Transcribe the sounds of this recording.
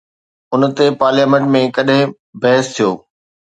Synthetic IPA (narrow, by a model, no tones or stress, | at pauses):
ʊnt̪epaːɾljaːmẽɳʈmẽkɐɗɦɪ̃ | bɐɦɪst̪ʰijoː